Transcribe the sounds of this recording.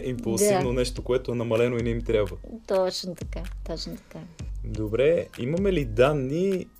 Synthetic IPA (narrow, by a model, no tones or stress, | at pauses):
impulˠzivnonɛʃt̪okoɛt̪oɛnɐmɐlɛnoinɛimt̪ɾʲjabvət̪ɔt͡ʃnot̪ɐkat̪ɔt͡ʃnot̪ɐ̥kad̪obɾɛimɐmɛlid̪anːi